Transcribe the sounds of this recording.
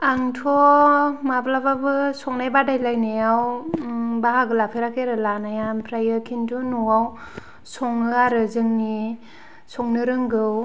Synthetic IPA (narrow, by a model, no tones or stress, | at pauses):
aŋtʰɔmablababɯsɔŋnajbadajlajneaw | baɦaɡɯlapʰeɾakʰeɾɯlanajanpʰɾajɯkʰintunuaw | sɔŋɯaɾɯzɯŋni | sɔŋnɯɾɯŋɡɯw